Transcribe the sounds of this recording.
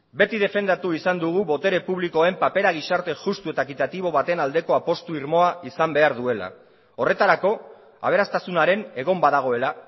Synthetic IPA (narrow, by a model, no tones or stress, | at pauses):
be̞t̪iðe̞fe̞nd̪at̪uisand̪uɣ̞uβo̞t̪e̞ɾe̞puβliko̞e̞mpape̞ɾaɣ̞isaɾt̪e̞ʝust̪ue̞t̪akit̪at̪iβ̞o̞β̞at̪e̞nald̪e̞ko̞apo̞st̪uiɾmo̞aisambe̞aɾðue̞la̰ | o̞re̞t̪aɾako̞ | a̰β̞e̞ɾast̪asunaɾe̞ne̞ɣ̞o̞mbaðaɣ̞o̞e̞la